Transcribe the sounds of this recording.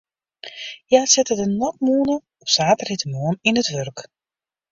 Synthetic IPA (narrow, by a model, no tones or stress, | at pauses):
jaːsɛtədənɔk̚muːnə | ɔpsaːtəritəmuəninətʋørk